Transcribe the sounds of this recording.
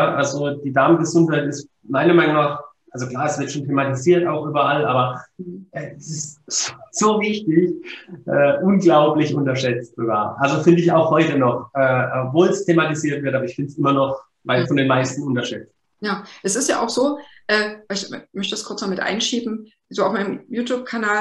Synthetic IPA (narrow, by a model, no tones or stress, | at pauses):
jaʔalzod̥iːdaɐmənɡəzʊnthaɪtɪst | maɪnɐmaɪnʊŋnaːχ | ʔalzokl̥aːɐɛsv̥ɪɐtʃoːntʰematiziːɐtaʊxʔyːbɐʔalʔaːbɐʔɛːɛsɪstz̥oːvɪçtɪçʔɛːʔʊnɡlaʊplɪçʔʊntɐʃɛt͡stz̥oɡa̰ːɐʔalzofɪndəɪçaʊxhɔʏtənɔχʔɛːpvoːlstʰematiziːɐtv̥ɪɐtʔabɐɪçfɪntsʔɪmɐnɔχ | vaɪfɔndeːnmaɪstn̩ʊntɐʃɛt͡st̚ | jaːʔɛsɪstja̰ːʔaʊxz̥oːʔɛːvaɪlɪçmœçtədɛskʰʊɐt͡snɔmɪtʔa̰ɪnʃiːbm̩ | zoːaʊfmaɪnəmjuːtjuːp̚kʰanaː